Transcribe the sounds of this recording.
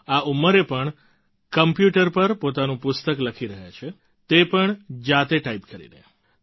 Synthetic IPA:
auməɾepəɳ | kəmpjuʈəɾpəɾpot̪anũpʊst̪əkləkʰiɾəɦja̰t͡ʃʰe | t̪epəɳd͡ʒat̪eʈaipkəɾḭnḛ

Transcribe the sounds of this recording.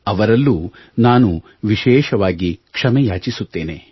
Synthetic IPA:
ɐʋɐɾɐlːuː | naːnu | ʋiʃɛːʃɐʋaːɡikʂɐmɛjaːt͡ʃisut̪ːe̞ːne

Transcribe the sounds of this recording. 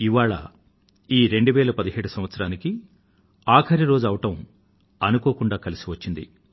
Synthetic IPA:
iʋaːɭɐ̰ | iːɾe̞ɳɖuʋɛːlɐpɐd̪iɦeːɽusɐmʋɐt̪sɐɾaːniki | aːkʰɐɾiɾo̞ːd͡ʒɐʋɐʈɐm | ɐnukoːkuɳɖaːkɐlisiʋɐt͡ʃːind̪ḭ

